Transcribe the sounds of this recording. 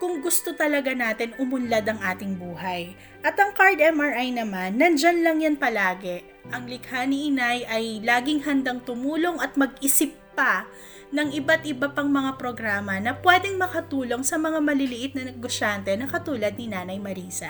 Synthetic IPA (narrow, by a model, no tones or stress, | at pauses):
kʊŋɡʊst̪o̞t̪ɐlɐɡanaːt̪ɪnʊmʊnlad̪ɐŋʔaːt̪ɪŋbuːhɐj | ʔɐt̪ɐŋkaɹd̪ɛmɐɹʔajnɐmanːɐnd͡ʒanlɐŋjɐnpɐlaːɡɛ | ʔɐŋlɪɡhanɪʔɪnajʔɐjlaːɡɪŋhɐnd̪aŋt̪ʊmuːlo̞ŋɐt̪̚mɐɡ̚ʔɪsɪp̚ːɐ | nɐŋʔɪbat̪ʔɪbɐpaŋmɐŋapɾo̞ɡɾaːmɐnɐpwɛd̪ɛŋmɐkɐt̪uːlo̞ŋsɐmɐŋamɐlɪlɪʔɪt̪̚nɐnɛɡoʃant̪ɛnɐkɐt̪uːlɐd̪̚nɪnaːnɐjmɐɾiːsɐ̰